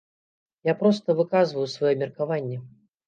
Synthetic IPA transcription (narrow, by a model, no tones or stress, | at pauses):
japɾɔst̪əvɨkazvəjusvajɔmʲɪrkavanʲːɛ